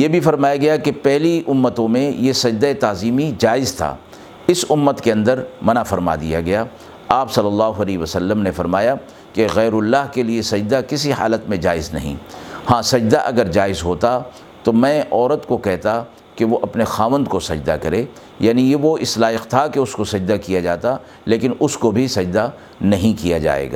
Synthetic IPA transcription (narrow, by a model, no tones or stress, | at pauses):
jeːbʱifɐɾmaːjaɡɐjakepɛɦliʔʊmːət̪õmẽjesɐd͡ʒd̪aet̪aːziːmid͡ʒaːɪzt̪ʰa̰ː | ɪsʊmːət̪keɐ̃nd̪əɾmɐnafɐɾma̰d̪ḭja̰ɡɐjaː | aːpsɐlːɐlːaːɦoɐlɛːʋəsɐlːəmnefɐɾmaːja | keɣɛːɾʊlːaːɦkeliesɐd͡ʒd̪akɪsiha̰ːlət̪mẽd͡ʒa̰ːɪznɐ̰ɦḭ̃ːhãːsɐd͡ʒd̪aʔɐɡəɾd͡ʒaːɪzɦoːt̪a | t̪omɛ̃ːʔɔːɾət̪kokɛɦt̪a | keʋoʔɐpnexaːʋə̃nd̪kosɐd͡ʒd̪akɐɾeː | jaːnijeʋoʔɪslaːɪqt̪ʰakeʊskosɐd͡ʒd̪akijad͡ʒaːt̪a | leːkɪnʊskobʱisɐd͡ʒd̪a | nɐɦĩkijad͡ʒa̰ːḛːɡa̰ː